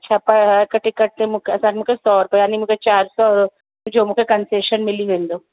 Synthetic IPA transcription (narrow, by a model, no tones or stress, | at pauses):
ɐt͡ʃʰapɐakɐʈɪkːɐɾt̪ẽmʊkʰeɐsaːnmukesɔːɾpəjaːnimuket͡ʃaːɾsɔːɾo | d͡ʒoːmukʰekɐnseːʃənmɪliɦẽːnd̪oː